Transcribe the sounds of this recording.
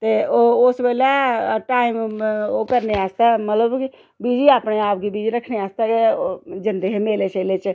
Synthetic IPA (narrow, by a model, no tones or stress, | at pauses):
t̪eːoʊsbeːlaʈaːimoːkəɾneaːst̪amət̪ləbki | biːd͡ʒiaːpneaːpɡibiːd͡ʒiɾəkʰneaːst̪aked͡ʒənd̪eɦemeːleːt͡ʃeːlet͡ʃ